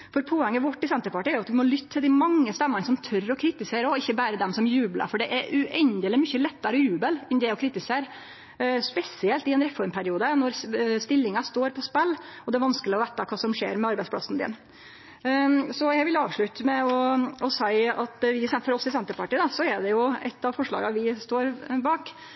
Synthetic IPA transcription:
fɔɾpʰoːɛŋːəʋɔʈːɪsɛnt̪əɾpɑʈɪːæɾjʊɑt̪ʋɪmɔlʏt̪ːət̪ʰːɪld̪ɪmɑŋːəst̪ɛmːənsɔmt̪ʰœɾɔkʰɾɪt̪ɪseːɾəɔɔɪçːəbæːɾəd̪ɛmsɔmjʉːblə̰ɾfɔɖɛʔɛɾʉʔɛnd̪ɪlɪəmʏçəlɛt̪ːɑɾɔjʉːbəlɛnd̪ɛːɔkʰɾɪt̪ɪseːɾ | spɛsɪɛlt̪ɪɛnɾɛfɔɾmpʰæɾɪuːd̪ənɔɾst̪ɪlːɪŋɑst̪oːɾpʰɔspɛlːɔd̪ɛæɾʋɑnskəlɪɔʋæːt̪ɑkʰɑːsɔmʂḛːɾmɛɑɾbæɪsplɑ̰snd̪ɪ̰n | sɔjæɪʋɪlːɑːʋʂɭʉt̪əmɛɔɔsæɪɑt̪ʋɪsɛfɔɾɔsɪsɛnt̪əpɑʈiːd̪ɑsɔɛɖɛjʊɛ̰t̪ːɑʋfɔʂɭɑ̰ːɡɑʋɪst̪oːɾbɑːk

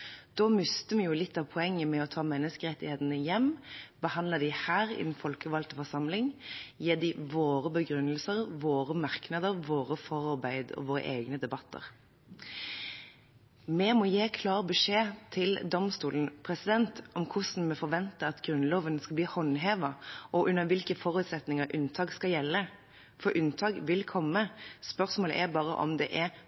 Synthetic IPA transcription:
d̪̥ɔːmʏst̪əmɛjʊlɪt̪ːɑʋpʰɔɛŋːəmɛɔt̪ʰɑːmɛnːəskəʁɛt̪ːɪheːt̪ənəjɛmbəhɑnd̪ləd̪ɪhæːʁɪ̰d̪ɛnfɔlkəʋɑlt̪əfɔʁsɑmlɪŋjeːd̪ɪʋoːʁəbəɡɾʉnːəlsəʁʋoːʁəmɑʁknɑd̪əɾʋoːʁəfɔʁɑʁbæɪd̪ɔ̰ʋoːʁə̰ʔeːɡnəd̪ɛbɑt̪ːə̰ʁ | mɛmɔjeːkʰlɑːʁbəʂeːt̪ʰɪld̪ɔmst̪uːlən̩pʰɾɛsɪd̪ɛnt̪ʔɔmkʰʊsn̩mɛfɔʁʋɛnt̪əɑt̪ɡɾʉnloːʋənskɑlbliːhɔnɦeːʋɑʔɔʔʉnːəʋɪlkəfɔɾʉːt̪sɛt̪nɪŋəɾʔʉnt̪ʰɑːɡskɑljɛlːə | fɔɾʔʉnt̪ʰɑːkʋɪlkʰɔmːəspœʁsmoːlə̰ʔɛbɑːʁə̰ʔɔ̰md̪ɛ̰ʔɛ

